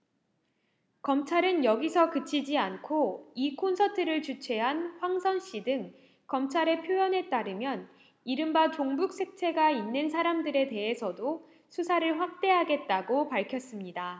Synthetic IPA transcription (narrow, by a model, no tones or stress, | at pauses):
kʌmt͡ɕʰaɾɯnjʌɡisʰʌkɯt͡ɕʰid͡ʑiankʰoikʰonsʰʌtʰɯɾɯɭt͡ɕut͡ɕʰe̞ɦanɸwaŋsʰʌnɕ͈idɯŋ | kʌmt͡ɕʰaɾe̞pʰjojʌnɦe̞t͈aɾɯmjʌn | iɾɯmbat͡ɕoŋbuk̚s͈ʰe̞k̚t͡ɕʰe̞ɡainːɯnsʰaɾamdɯɾe̞te̞ɦe̞sʰʌdo | sʰusʰaɾɯɭɸwak̚t͈e̞ɦaɡe̞t̚t͈aɡopaɭkʰjʌs͈ɯmɲida